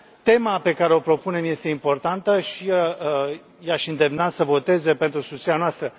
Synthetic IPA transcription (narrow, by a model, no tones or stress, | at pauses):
t̪e̞mape̞kaɾe̞o̞pɾo̞pune̞mje̞st̪e̞impo̞rt̪ant̪əʃi | jaʃɨnd̪e̞mnat̪səvo̞t̪e̞ze̞pe̞nt̪ɾusut̪sianoast̪ɾə